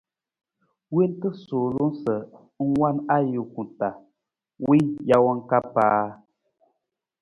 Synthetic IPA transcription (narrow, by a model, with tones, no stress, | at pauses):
we˦n˦tɨ˦so˨lu˦n˦sə˨ | ŋ̩˦wa˦na˦ju˨ku˨ta˨ | wi˦ja˦wɔ˦ŋ̩˦ka˦paː˦